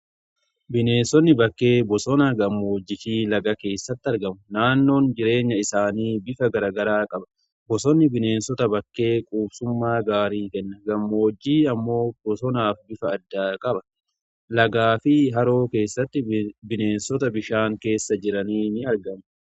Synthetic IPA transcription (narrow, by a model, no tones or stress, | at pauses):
bɪne̞ːnsɔnːɪbɐkːe̞ːbɔsɔnɐɡɐmːo̞ːd͡ʒːɪtiːlɐɡɐke̞ːsːɐt̪ːɪɐɾɡɐmʊnaːnːo̞ːnd͡ʒɪɾe̞ːɲːɐɪsaːniːbɪfɐɡɐɾɐɡɐɾaːkʼɐbɐ̥ | bɔsɔnːɪbɪne̞ːnsɔt̪ɐbɐkːeːkʼuːbsʊmːaːɡaːɾiːkɛnːɐɡɐmːo̞ːd͡ʒːiːɐmːo̞ːbɔsɔnaːfbɪfɐːd̪ːaːkʼɐbɐ̥ | lɐɡaːfɪɦɐɾo̞ːke̞ːsːɐt̪ːɪbɪneːnsɔt̪ɐbɪʃaːŋke̞ːsːɐd͡ʒɪɾɐniːnɪɐɾɡɐmʊ